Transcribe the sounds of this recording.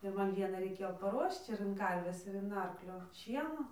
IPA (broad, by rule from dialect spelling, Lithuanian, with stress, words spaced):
ɪr ˈmɐn ˈʋʲiɛnɐɪ rɐɪˈkʲeːjoː pɐˈruɔʃt͡ʃ ɪr ɪn ˈkɐrʲʋʲeːs ɪr ɪn ˈɐrklʲoː ˈʃʲiɛnoː